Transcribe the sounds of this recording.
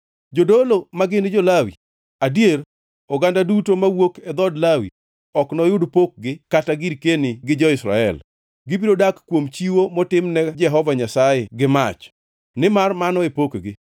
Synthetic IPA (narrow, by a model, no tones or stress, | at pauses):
d͡ʒodolomaɡɪnɪd͡ʒolawḭ | adjeɾ | ɔɡandadutomawokɛd̪ɔdlawḭ | ɔknɔjʊdpok̚ɡɪkataɡiɾkenɪɡɪd͡ʒɔɪsɾa̰ɛ̰l | ɡɪbiɾodakkːwomt͡ʃiwomɔtɪmnɛd͡ʒɛɦɔvaɲasajeɡɪmat͡ʃ | nɪmarmanɔepokɡɪ